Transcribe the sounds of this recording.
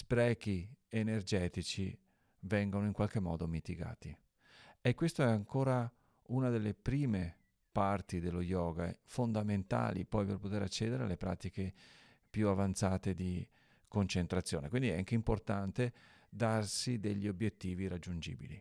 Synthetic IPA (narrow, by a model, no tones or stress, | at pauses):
spɾɛːkienerd͡ʒɛːt̪it͡ʃi | vɛŋɡonoiŋkwalk̟emːɔ̰ːd̪omit̪iɡa̰ːt̪i | ɛkːwest̪oɛaŋkoːɾa | unad̪elːepɾiːme | part̪id̪elːojɔːɡaɛ̰fond̪ament̪a̰ːlḭpɔjperpot̪eɾat͡ʃːɛːd̪eɾea̰lːepɾa̰ːt̪ike | pjuavant̪saːt̪ed̪i | kont͡ʃent̪ɾat̪sːjoːnḛkwind̪iɛaŋk̟eimport̪ant̪e | d̪arsid̪eʎːiobjet̪ːiːviɾad͡ʒːund͡ʒḭːbḭlḭ